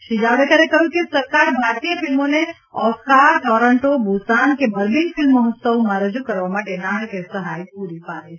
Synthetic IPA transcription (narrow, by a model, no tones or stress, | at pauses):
ʃid͡ʒaʋɽekəɾekəɦjũkesəɾkaɾbʱaɾt̪ijəfilmone | ɔfkaɾʈɔɾəɳʈobʱusankebʱəɾbinfʰɪlmːəɦət̪səwmãɾəd͡ʒukəɾʋamaʈenaɦkesəɦajpuɾipaɾe